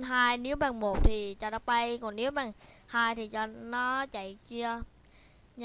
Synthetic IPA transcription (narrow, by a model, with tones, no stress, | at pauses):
nɦaː˧jni˨˦əwɓaː˨˩ŋmo˨˩t̚t̪ʰi˨˩t͡ɕaː˧˩ɗa˧˦ɓa˧jkɔ˨˩ni˨˦əwɓaː˨˩ŋhaː˧jt̪ʰi˨˩t͡ɕa˨˩nɔ˨˦t͡ɕa̰˧˨jki˧ə | ɲ